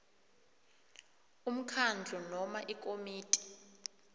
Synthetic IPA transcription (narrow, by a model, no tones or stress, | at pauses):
um̩kʰand͡ɮʱɔnɔmaʔikʼomiːtʼi̥